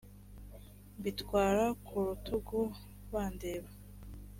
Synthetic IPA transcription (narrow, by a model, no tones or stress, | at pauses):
mbitwaːɾakʰuɾutuɡu | waːndeːβa